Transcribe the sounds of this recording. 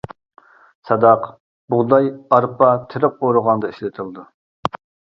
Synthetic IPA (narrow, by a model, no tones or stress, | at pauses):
sɑd̪ɑq | buʁd̪ɑjɑɾpʰɑt̪ʰɪɾɪp̚oɾʊʁɑnd̪ɑiʃlɪt̪ʰɨlˠd̪u